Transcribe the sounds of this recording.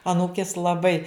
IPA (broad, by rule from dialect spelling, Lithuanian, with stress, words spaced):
ɐˈnuːkʲeːs lˠɐˈbɐɪ